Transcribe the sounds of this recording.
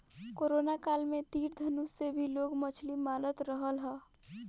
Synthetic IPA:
koɾonakalmẽt̪iːɾd̪ʱənusebʱiloɡmət͡ʃʰlimalət̪ɾəɦəlɦɛː

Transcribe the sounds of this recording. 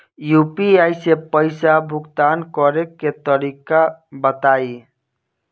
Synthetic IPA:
jupiajsepəɪsabʱʊkt̪ankɔɾekːet̪əɾikabət̪ai

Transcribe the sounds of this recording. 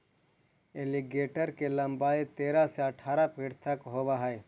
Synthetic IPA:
eliɡeːʈəɾkelɐ̃mbaːit̪eːɾaseɐʈʰaːɾapiɽt̪ʰɐkɦoːbaɦɛe

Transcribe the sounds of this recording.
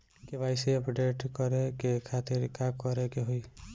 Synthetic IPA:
kebajsiɔpɖeʈkɔɾekekʰat̪iɾkakɔɾekeɦoj

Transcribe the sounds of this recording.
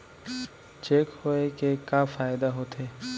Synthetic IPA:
t͡ʃeːkhoekeːkaːfaːɪd̪aɦoːt̪ʰeː

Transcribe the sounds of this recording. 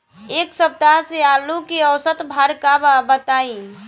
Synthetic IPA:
eksəp̚t̪aɦsealukeəwsət̪bʱaɾkababət̪ai

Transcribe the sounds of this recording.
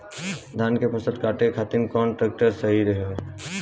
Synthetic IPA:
d̪ʱaːnkepəsə̃d̪̚kaːʈekʰaːt̪inkɔːnʈɾeːk̚ʈəɾsɐɦiɾeɦe

